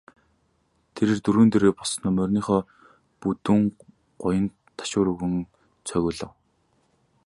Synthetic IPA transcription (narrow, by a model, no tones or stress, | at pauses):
t̪ʰeɾeːrt̪uɾuːnt̪eɾeːpɔɮsnœmœrʲniːχɔː | put̪ŭŋ | ɢ̥ʊjə̆n | t̪ʰḁʃʊːɾɵɣɘ̆n | t͡sʰœɣʲʊːɮə̆w